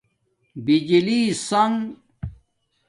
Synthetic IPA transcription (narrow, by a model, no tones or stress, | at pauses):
bid͡ʑiliːsɐŋ